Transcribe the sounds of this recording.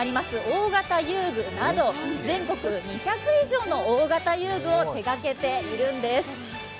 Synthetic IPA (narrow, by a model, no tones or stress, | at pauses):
ɾʲimasɨoːɡat̪ajɯːɡɯ̟nad̪o̞zẽ̞ŋko̞kɯ̟ɲ̟içakɯ̟iʑo̞ːno̞oːɡat̪ajɯːɡɯ̟o̞t̪e̞ɡake̞t̪e̞iɾɯ̟̃nd̪e̞sɨ̥